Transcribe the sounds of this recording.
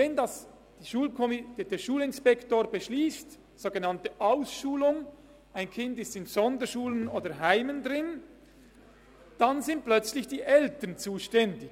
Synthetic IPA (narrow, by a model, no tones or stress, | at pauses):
vɛndas | d̥iʃuːlkʰomɪdd̥eːʃuːlɪnspɛktoːbəʃliːst | z̥oːɡənɑntəʔaʊsʃuːlʊŋ | ʔaɪnkʰɪndɪstɪnz̥ɔndəʃuːlənoːdəɦaɪməndʁɪn | d̥anzɪnt̚plœt͡slɪçd̥iːʔɛltənt͡suːʃtɛndɪ